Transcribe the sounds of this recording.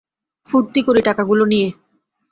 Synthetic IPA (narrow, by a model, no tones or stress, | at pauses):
fuɾt̪ikoɾiʈakaɡulonije